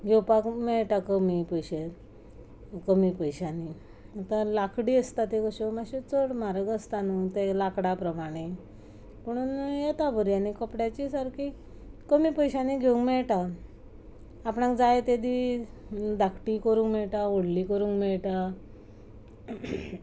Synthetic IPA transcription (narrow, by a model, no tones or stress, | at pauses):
ɡʱewpakmɛɭʈakəmipəjɕe | kəmipəjɕani | at̪alakʰɽiəst̪at̪ekəɕomaɕet͡səɽmaɾəɡəst̪anut̪elakɽapɾəmaɽ̃e | pəɽ̃unjet̪abəɾjanikəpɽjat͡ɕisaɾki | kəmipəjɕaniɡʱeũŋɡmɛɭʈa | pɽãkd͡zajet̪ed̪i | d̪akʰʈikəɾũːŋkmɛɭʈaoɽlikəɾuːŋkmɛɭʈa